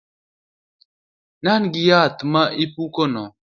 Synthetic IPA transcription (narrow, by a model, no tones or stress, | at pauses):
nanɡijat̪maʔipukɔnɔ